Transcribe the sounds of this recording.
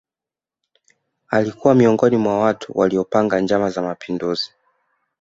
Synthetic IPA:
alikuwamiɔŋɡɔnimwawatʰṵwʔaliɔpaŋɡaɲd͡ʒamazamapʰinduzi̥

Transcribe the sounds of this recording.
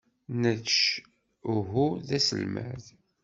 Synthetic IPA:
nəðt͡ʃ | ɦuðæsə̰lmæ̰ð

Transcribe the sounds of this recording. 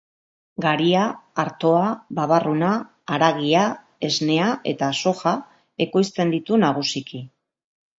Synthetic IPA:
ɡaɾiaːɾt̪o̞aβaβarunaː | ɾaɣia | e̞zne̞aʔe̞̰t̪aso̞xa | e̞ko̞jst̪e̞nd̪it̪unaɣ̞usiki

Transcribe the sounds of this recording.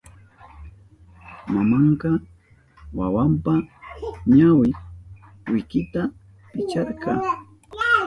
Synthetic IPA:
mamɑɴqɑ | wawampaɲawɪ | wɪkɪt̪a | pɪt͡ʃɑɾkɑ

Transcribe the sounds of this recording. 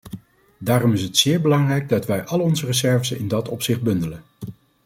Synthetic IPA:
daːrɔmɪsɦətsɪːɹbəlɑŋrɛjɡ̚dɑtʋɛjʔɑləɔnzərəzɛɹvəsɪ̰ndɑtɔpsɪχd̚bɵndələn

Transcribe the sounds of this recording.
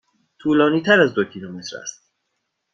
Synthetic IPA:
t̪ʰuːlɒːniːt̪ʰæɾæzd̪ocʰilome̞t̪ɾæ̰st̪̚

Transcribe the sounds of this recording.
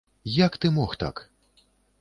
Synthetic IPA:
jakt̪ɨmɔxt̪a̰k

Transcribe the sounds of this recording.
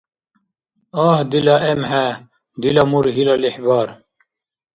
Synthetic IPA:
aːhd̪ilaʔemɦe | d̪ilamuɾɦilaliħbaːɾ

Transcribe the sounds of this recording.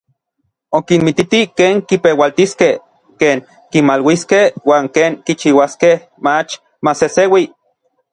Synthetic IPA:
okinmit̪it̪ikeːŋkipewalt̪iskeh | keːŋ | kimalwiskehwaːŋkeːŋkit͡ʃiwaskeh | mat͡ʃ | masesewi

